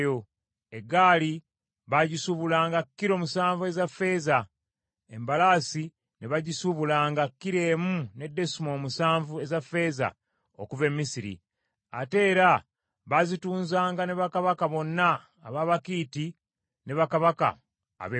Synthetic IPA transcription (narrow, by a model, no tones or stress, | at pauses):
jo | e̞ɡaːli | βaɟisuβulaːŋɡakːiɾo̞ːmusaːɱvue̞zafːe̞ːza | e̞mbalaːsi | neβaɟisuβulaːŋɡakːiɾe̞ːmune̞dːe̞sumo̞ːmusaːɱvue̞zafːe̞ːza̰ | o̰kuve̞mːisiɾḭ | a̰te̞ːɾa | βazituːnzaːŋɡane̞βakaβakaβo̞nːaː | βaːβakiːti | ne̞βakaβaka̰ː | βe